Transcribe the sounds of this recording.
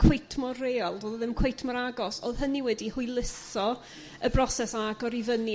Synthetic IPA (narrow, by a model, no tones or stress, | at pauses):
kʰwejtʰmɔreːɔlˠdoːðəðɪmkʰwejtʰmɔɾaɡɔsoðɦəniwɛdihuɨjlˠɪsɔ | əbrɔsɛsaɡɔɾivəni